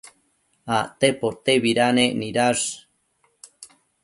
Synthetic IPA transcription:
at̪epot̪eβiɾaneniɾaʐ

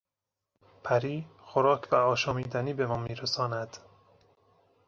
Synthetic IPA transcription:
pʰæɾiːxoɾɒːkʰvæɒːʃɒːmiːd̪æniːbe̞mɒːmiːɾesɒːnæd̪̥

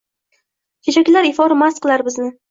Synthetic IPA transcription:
kʲʰet͡ʃʰakʲlaɾɪfɒɾamasqɨlˠaɾbɪznɪ

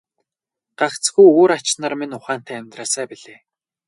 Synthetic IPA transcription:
ɢ̥aχt͡sɡujuːɾat͡ɕnaːrmenʊχaːn̥t̪ʰæːmʲt̪raːsæːpiɮeː

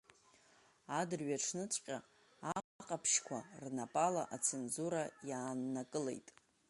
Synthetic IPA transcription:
adɨrɥaʈ͡ʂʰnɨt͡sʷʼqʲʼa | aqʼapʰʃkʷʰa̰rnapʼala̰ʔat͡sʰenzuɾajaːnːakʼɨle̞̰jtʼ

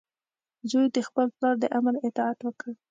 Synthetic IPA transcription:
zojd̪əxpəlplɑɾd̪əʔamalɪt̪ɑat̪wəkəɽ

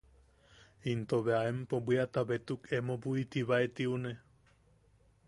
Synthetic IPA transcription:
int̪oβeaempobiat̪aβet̪ukemobuit̪iβaet̪iune

